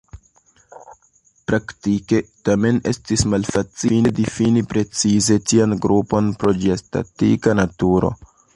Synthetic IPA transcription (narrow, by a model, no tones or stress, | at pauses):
pɾaktike̞tame̞ne̞̰stismalfat͡sinedifinipɾe̞t͡size̞tianɡɾʔupo̞npɾo̞d͡ʒiesta̰tḭkanatuɾo̞̰